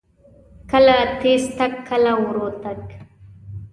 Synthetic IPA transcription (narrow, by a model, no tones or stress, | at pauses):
kɐlat̪eːst̪ɐkʰːɐlawʊɾot̪ɐk